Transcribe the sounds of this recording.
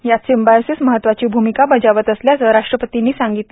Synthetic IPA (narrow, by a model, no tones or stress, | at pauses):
jat͡sembajosisməɦət̪ːʋat͡ɕiːbʱumikabəd͡ʑaʋət̪əsljasəɦəɾaʂʈɾəpət̪inːiːsãŋɡit̪le